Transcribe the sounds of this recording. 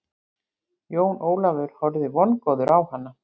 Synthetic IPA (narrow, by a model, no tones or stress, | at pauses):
joːwnʔoːwlavʏɾ̥hɔɾðɪvɔnkɔðʏɾʔawhanːa